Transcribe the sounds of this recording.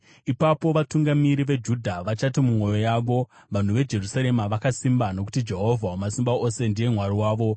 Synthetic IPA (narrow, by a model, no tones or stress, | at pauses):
ipapo̞ʋatuŋɡamiɾiʋe̞d͡ʒudʱaʋat͡ʃatimumo̞jo̞jaːʋo̞ | ʋan̤uʋe̞d͡ʒe̞rusaɾe̞maʋakasimbano̞ku̥tid͡ʒe̞ɦo̞vʱaomasimbao̞se̞ndije̞m̤waɾiwaːʋo̞